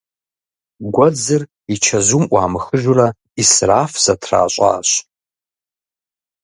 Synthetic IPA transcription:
ɡʷɔd͡zɨr | it͡ʃʰɐzumʔʷɑ̰ːmɨxɨʒʊrɐ | israːfz̥ɐtʰra̰ːɕʷʼa̰ːɕ

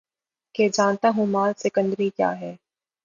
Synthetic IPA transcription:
ked͡ʒaːnt̪aɦũmaːlsɪkə̃nd̪ɾikja̰ːɦɛː

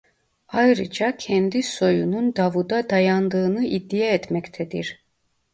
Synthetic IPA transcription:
ajɾɯd͡ʒacʰɛnd̪iso̞junund̪avud̪ad̪ajand̪ɯːnɯʔid̪ːijaɛt̪mɛct̪ʰɛd̪iɾ̥

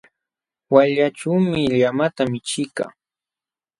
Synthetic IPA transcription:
waʎaʈ͡ʂuːmɪʎamat̪amɪt͡ʃɪka̰ː

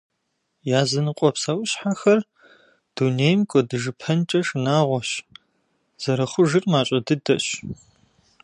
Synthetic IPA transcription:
jaːzɨnɨqʷʼɔpsawʊɕħaxɐr | d̥uneːjmkʷʼɔdɨʒɨpʰɐnt͡ʃʼɐʂnaːʁʷɔɕ | z̥ɐɾɐχʷʊʒɨrmaːɕʼɐdɨdɐ̰ɕ

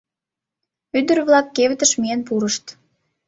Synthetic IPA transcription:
yd̪ərβlɑkːeβət̪əʃmienpuɾəʃt̪

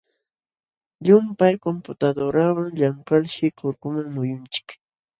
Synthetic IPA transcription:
ʎʊmpajkompʊt̪ad̪oɾawaŋʎaŋkalʃɪkʊɾkʊmaŋmʊjʊnt͡ʃɪ̥k

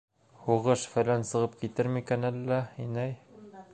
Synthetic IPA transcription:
huʁɤʃfæ̆lænsɤ̆ʁɤp̚kit̪ɘɾmikænælːæinæj

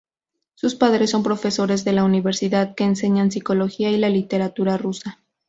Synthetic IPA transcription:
suspaðɾe̞sːo̞mpɾo̞fe̞so̞ɾe̞zðe̞launiβ̞e̞ɾsiðaðke̞ːnse̞ɲans̬iko̞lo̞xiailalit̪e̞ɾat̪uɾarusa

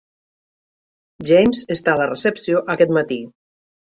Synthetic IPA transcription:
ʒejmzest̪aləresəpsioʔəkɛt̪mat̪i

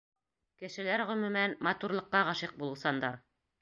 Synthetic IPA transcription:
kɘ̆ʃɘ̆læɾʁɵ̆mɵ̆mænmɑt̪uɾlˠɤ̆qːɑʁɑʃiq̚bulˠɤ̆wsɑnd̪ɑɾ

